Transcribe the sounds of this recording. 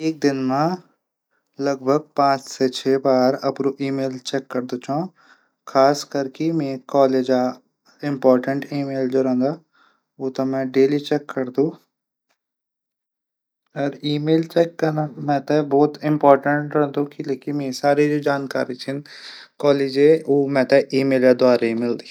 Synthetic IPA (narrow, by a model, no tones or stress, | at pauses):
eːk̚d̪ɪnmã | lɐɡ̚bʱəɡ̚pãːt͡ʃset͡ʃʰeːbaːɾɐpɾoʔiːmeːlt͡ʃɛːkːɐɾd̪ot͡ʃʰã | kʰaːskɐɾkemẽkɔːleːd͡ʒa | ɪ̃mpɔːɾʈəɳʈiːmeːld͡ʒoːɾɛ̃nd̪aː | ʋoːt̪ɐmɛ̃ɖeːlit͡ʃɛːkːɐɾd̪ũ | ɔːɾiːmeːlt͡ʃɛːkːɐɾnamɛ̃t̪ebɔːt̪ɪ̃mpɔːɾʈəɳʈɾɛ̃d̪ũkileːkinmeːsaːɾed͡ʒoːd͡ʒaːnka̰ːɾit͡ʃʰɪnkɔːleːd͡ʒeoːmɛ̃t̪eʔiːmeːlad̪ʊaːɾeimɪld̪i